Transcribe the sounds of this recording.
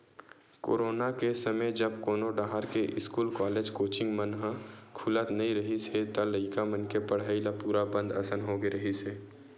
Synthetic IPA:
ko̰ːɾoːnakesəməjd͡ʒəbkoːnoɖaːɦaɾkeʔɪskuːlkɔːleːd͡ʒkoːt͡ʃɪ̃ŋɡmənɦəkʰʊlət̪nɐĩɾəɦiset̪aləɪkamənkepəɽ̤aːilapuːɾabə̃nd̪ɐsənɦoɡeɾəɦiseː

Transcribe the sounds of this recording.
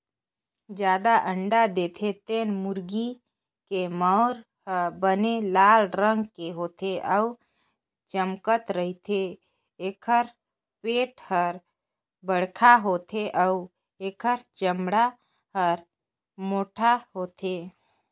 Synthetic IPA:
d͡ʒjaːd̪aʔəɳɖad̪et̪ʰet̪enmʊɾɡi | keməʊɾ | həbənelaːlɾəŋɡkeɦoːt̪ʰeʔəu | t͡ʃəmkət̪ɾəɦit̪ʰe | eːkʰəɾ | peːʈhəɾ | bəɽ̤kʰaɦoːt̪ʰeʔəʊ | eːkʰəɾt͡ʃəmɽa | həɾ | moːʈʰaɦoːt̪ʰe

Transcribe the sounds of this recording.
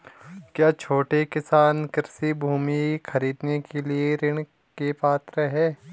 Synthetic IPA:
kjaːt͡ʃʰoːʈekɪsaːnkɪɾsibʱuːmixʰɐɾiːd̪nekelieɾɪɽ̃ | kepaːt̪ɾəɦɛː

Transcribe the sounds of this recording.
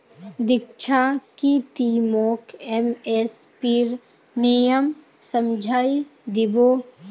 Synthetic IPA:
d̪ɪk̚t͡ʃʰakit̪imoːkʰemespiɾ | nijəm | səmd͡ʒʱaːid̪ɪboː

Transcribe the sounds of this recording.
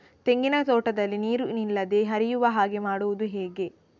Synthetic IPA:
t̪e̞ŋɡinɐt̪oːʈɐd̪ɐlːiniːɾunilːɐd̪e̞ɦɐɾijuʋɐɦaːɡe̞maːɽuʋud̪uɦɛːɡe̞

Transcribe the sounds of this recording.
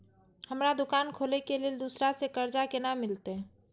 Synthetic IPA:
həmɾad̪ʊkaːnkʰoːlekeleːld̪uːsɾasekəɾd͡ʒakenamɪlt̪e

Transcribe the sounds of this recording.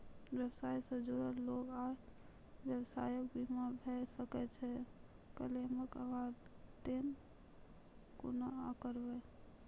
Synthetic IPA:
bjəbsajsə̃d͡ʒoɾəloɡa | bjəbsajək̚bʱimabʱesəkɛt͡ʃʰɛ | kəleməkəɡaɾt̪en | ko̰naakəɾbɛ

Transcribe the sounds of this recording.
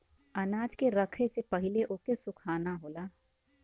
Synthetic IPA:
ɐnaːd͡ʒkeɾɐkʰesepɐɦɪleʔoːkesʊkʰaːnaɦoːlaː

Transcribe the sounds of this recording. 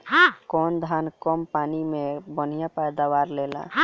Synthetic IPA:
ɦãkɔːnd̪ʱaːnkɔmpaːnimẽbən̤ijãpɛjd̪aʋaːɾleːlã̰ɦ

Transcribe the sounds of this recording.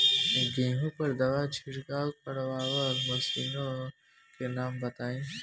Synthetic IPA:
ɡĩːɦõpɐɾd̪ɐʋat͡ʃʰɪɾkaːlpɐɽʋaːʋəɾmɐsiːnõ | kenaːmbɐt̪aːĩː

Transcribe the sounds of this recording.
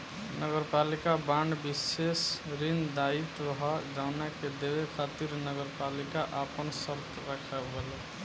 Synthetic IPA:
nəɡəɾpalikabaɳɖbisesɾind̪ait̪ɾəɦɔd͡ʒaʊnaked̪ebekʰat̪iɾnəɡəɾpalikaʔapənsəɾt̪ɾəkʰəbele

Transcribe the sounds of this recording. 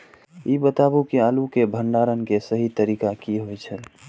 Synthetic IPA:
ibət̪abukeaːlukebʱəɳɖaɾənkesəɦit̪əɾiːkakiɦojt͡ʃʰəl

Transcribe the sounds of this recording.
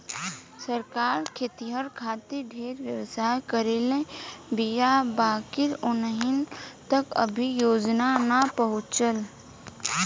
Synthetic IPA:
səɾkaːɾkʰeːt̪iɦəɾkʰaːt̪iɖʱeːɾʋjəʋsaːjkəɾeːlẽbijabaːkɪɾʊnəɦɪnt̪əkə̰bʱijoːd͡ʒnanəpəɦʊt͡ʃəl

